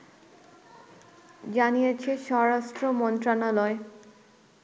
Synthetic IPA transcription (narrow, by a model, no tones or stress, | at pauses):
d͡ʑanijet͡ɕʰeʃɔɾaʃʈɾomɔnt̪ɾanalɔe